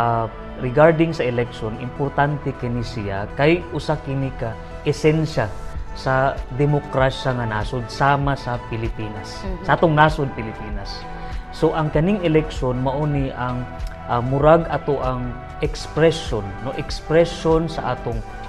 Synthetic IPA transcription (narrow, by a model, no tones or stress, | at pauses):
a | ɾɪɡaɹd̪ɪŋsɐʔɪlɛk̚ʃonʔɪmpoɾt̪ant̪ɛkɐnisɪja̰kajʔʊsakɪnika | ʔɛsɛnʃasɐd̪ɛmokɾaʃaŋɐnaːsonsaːmasɐpɪlɪpiːnasːaʔaːt̪oŋnaːsonpɪlɪpiːnasː | oʔɐŋkɐnɪŋɛlɛk̚ʃonmɐʔoniʔɐŋʔamʊɾaɡɐt̪oʔɐŋ | ʔɛkspɾɛsonːoʔɛkspɾɛʃonsɐʔaːt̪oŋ